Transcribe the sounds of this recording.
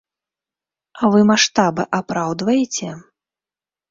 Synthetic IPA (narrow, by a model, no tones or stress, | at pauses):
avɨmaʂt̪abɨʔapɾawd̪vɐjɛt͡sʲɛ